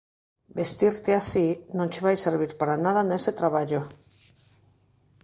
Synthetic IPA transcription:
best̪iɾt̪easinõnt͡ʃeβ̞ajseɾβ̞iɾpaɾanað̞aneset̪ɾaβ̞aʎo

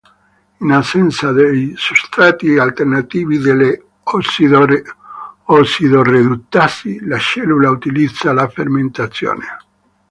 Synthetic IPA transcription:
inasɛnt̪sad̪ejsust̪ɾat̪ialt̪ernat̪iːvid̪elːe | ɔsiðoɾe | ɔsiðored̪ut̪ːasilaʃɛlulaut̪ilid̪z̥ːalaferment̪at̪sjo̰ːne

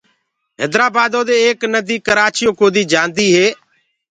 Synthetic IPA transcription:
ɦḛːd̪ɾaːbaːd̪õːd̪eːeːknəd̪iːkəɾaːt͡ʃɪjõːkoːd̪iːd͡ʒaːnd̪iːɦeː

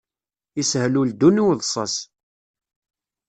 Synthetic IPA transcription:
ishluld̪ːunuwðˤsˤɑ̰s

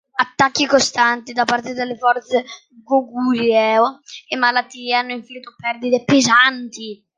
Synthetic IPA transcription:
at̪ːakːikost̪ant̪id̪apːart̪ed̪elːefɔrt̪se | ɡoɡuːɾiɛoemːalat̪ːiːeanːʊiɱfilit̪opɛrd̪id̪epezant̪i

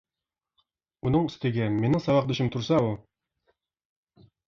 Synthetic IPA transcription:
unɤɴɵ̆st̪ɘ̆ɡæminɘɴsɑβɑq̚d̪ɵ̆ɕɘmt̪uɾsɑu

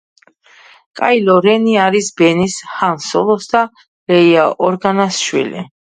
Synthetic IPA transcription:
kʼailɔɾɛniaɾisbɛnishansɔlˠɔsd̪a | lɛiaʔɔɾɡanasʃwḭlḭ

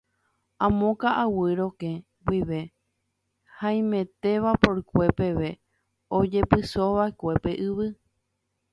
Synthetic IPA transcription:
ãmõkaʔawɨɾokẽ | wiʋe̞ | hãĩmẽ̞t̪e̞ʋapoɾkʷe̞pe̞ʋe̞ | od͡ʒe̞pɨsoβaekʷe̞pe̞ʔɨβɨ

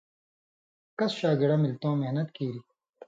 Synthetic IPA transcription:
kɐsɕaːɡɪɽaːmɪlt̪õːmeɦnɐt̪kiːɾiː

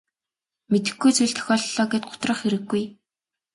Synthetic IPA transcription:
met̪ɘ̆ɡujt͡sʰuɮt̪ʰœ̥xʲɔːɮɮɔːɡeːt̪̚ɢʊ̥t̪rə̆χxeɾɘ̆ɡːuj

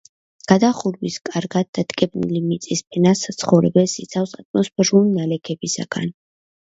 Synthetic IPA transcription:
ɡ̥ad̪aχuɾwiskʼaɾɡat̪̚d̪at̪ʼkʼɛb̚nḭlimit̪sʼispʰɛnasat̪sʰχɔvɾɛbɛlsit̪sʰafsat̪ʼmɔspʰɛɾulinalɛkʰɛbisa̰ɡ̥a̰n

